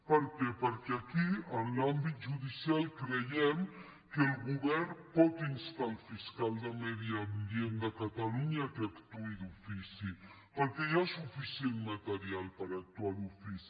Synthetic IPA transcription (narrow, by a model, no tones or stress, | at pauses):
pəɾkɛpəɾkeakiənlambit̪̚ʒuðisjalkɾəjɛm | kelɣuβɛɾnpɔt̪inst̪alfiskalˠd̪əmɛðiambiend̪əkat̪aluɲakeakt̪uid̪ufisi | pəɾkɛjasufisjenmat̪əɾialpəɾak̚t̪walufisi